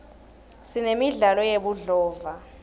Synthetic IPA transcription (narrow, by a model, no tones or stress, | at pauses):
sinemiɮalɔjeɓuɮɔːva